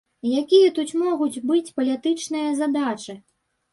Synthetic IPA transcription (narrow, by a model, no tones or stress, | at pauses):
jakʲijɐt̪ut͡sʲmɔɣud͡zʲbɨt͡sʲpɐlʲɛt̪ɨt͡ʂnɨjɐzad̪at͡ʂɨ